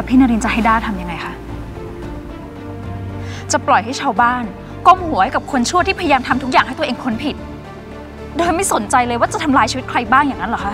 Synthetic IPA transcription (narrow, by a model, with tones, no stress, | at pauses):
ɛ˨˩pʰiː˥˩na˧ɾi˧nt͡ɕa˨˩ha˥˩jdaː˥˩jt̪ʰa˧mja˧ŋa˧jxʰa˦˥ʔ | t͡ɕa˨˩plɔ˨˩jɦa˥˩jt͡ɕʰaː˧wbaː˥˩n | ko˥˩mhu˨˩˦ha˥˩ka˨˩p̚kʰo˧nt͡ɕʰu˥˩ət̪iː˥pʰa˧ja˧jaː˧mt̪ʰa˧mt̪ʰu˦˥k̚jaː˨˩ŋɦa˥˩jt̪u˧ʔeː˧ŋkʰo˧npʰi˨˩t̪̚ | doː˧jma˥˩jso˩˦nt͡ɕa˧jlɤː˧jwaː˥˩t͡ɕa˨˩t̪ʰa˧mlaː˧jt͡ɕʰiː˧wt̪̚kʰɾa˧jbaː˥˩ŋjaː˨˩ŋːa˦˥lkʰa˦˥